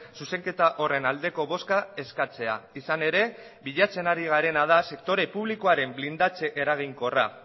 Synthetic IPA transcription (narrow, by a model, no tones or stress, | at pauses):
suse̞ŋke̞t̪aʔo̞re̞nald̪e̞ko̞βo̞skae̞skat͡se̞a̰isane̞ɾe̞ | βiʎat͡se̞naɾiɣ̞aɾe̞nað̞ase̞k̚t̪o̞ɾe̞puβ̞liko̞aɾe̞mblind̪at͡se̞ʔeɾaɣ̞iŋko̞ra